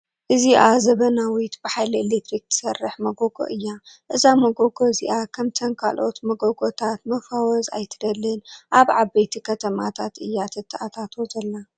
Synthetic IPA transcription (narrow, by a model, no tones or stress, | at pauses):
ʔɨziʔazɐβɐnawit̪bɨħajlɐelet̪ɾik̚t̪ʰɨ̥sɐrːɨħmɐɡoɡo̰ʔɨjːaʔɨzamɐɡoɡʰoziʔakʰɐmt̪ʰɐnkʰa̰lʔo̞t̪mɐɡoɡot̪ʰat̪mɐfawɔza̰jt̪ʰɨ̥d̪ɐlːɨnʔaβʕabejt̪ʰikʰɐt̪ʰɐma̰t̪ʰat̪ʔɨjːat̪ʰɨt̪ʰːaʔat̪ʰat̪ʰozɐlːa